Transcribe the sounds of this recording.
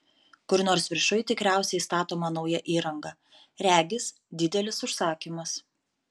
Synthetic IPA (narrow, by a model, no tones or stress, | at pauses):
kʊɾnoːɾsʋʲɪɾʃʊɪt̪ʲɪkɾʲæˑʊsʲɛɪst̪ɑːt̪oːmɐnɐʊjɛʔiːɾɐŋɡɐ | ɾʲæːɡʲɪs | d̪ʲɪd̪ʲɛlʲɪsʊʃsɑːkʲiːmɐs